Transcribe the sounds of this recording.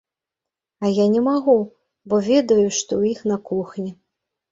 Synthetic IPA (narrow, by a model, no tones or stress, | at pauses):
ɐjanʲɛmaɣu | bɔvʲɛd̪ɐjuʂt̪ɔwjixnɐkuxnʲi